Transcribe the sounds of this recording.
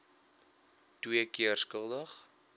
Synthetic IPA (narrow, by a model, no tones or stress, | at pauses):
twiəkiərskəlˠdəχ